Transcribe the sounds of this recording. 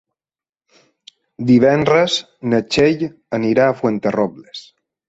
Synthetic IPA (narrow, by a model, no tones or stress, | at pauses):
d̪iβ̞ɛnrɾəz | nət͡ʃeʎ | əniɾaːfwent̪erɔbles